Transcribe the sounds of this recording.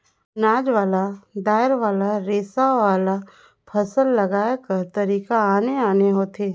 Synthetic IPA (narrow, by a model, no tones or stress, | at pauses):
naːd͡ʒʋaːlad̪aːɪɾʋaːlaɾeːsaʋaːla | pʰɐsəlːɐɡaːekɐɾt̪ɐɾiːkaaːneaːneɦoːt̪ʰeː